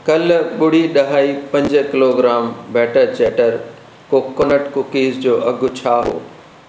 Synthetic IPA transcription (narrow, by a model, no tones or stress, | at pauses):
kɐlɓʊɽ̤iɗɐɦaːipɐ̃ɲd͡ʑkɪloːɡɾaːmbɛːʈəɾt͡ɕeːʈəɾ | kokːonəʈkʊkiːzd͡ʑoːɐɡʱʊt͡ɕʰaːɦo̰ː